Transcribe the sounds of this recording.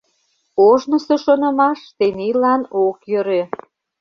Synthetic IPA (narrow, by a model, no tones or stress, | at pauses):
oʒnə̆sĕʃonə̆mɑʃt̪enilɑnokjøɾe